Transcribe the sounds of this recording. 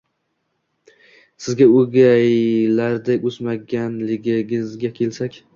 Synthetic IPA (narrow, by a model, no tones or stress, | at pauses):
sɪzɡʲaoɡʲajlaɾd̪aʊzmaɡʲanlɪɡʲɪɡʲɪzɡʲakʲʰe̞lsakʲ